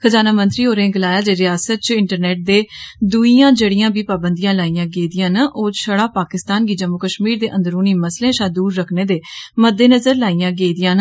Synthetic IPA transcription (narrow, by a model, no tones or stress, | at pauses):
kʰəzaːnaːmənt̪ɾiːɦoːɾẽːɡəlaːjaːd͡ʒeːɾɪjaːsət̪̚t͡ʃɪɳʈəɾnɛːʈ̚d̪eːd̪uiːjãːd͡ʒeɽijãːbiːpaːbənd̪ijãːlaːijãːɡeːid̪ɪjãːnəʔoːʃəɽaːpaːkɪst̪aːnɡiːd͡ʒəmːukəʃmiːɾd̪eːʔə̃nd̪əɾoːniːməslẽːʃaːd̪uːɾːəkʰneːd̪eːməd̪ːeːnəzəɾlaːijãːɡeːid̪ɪjãːn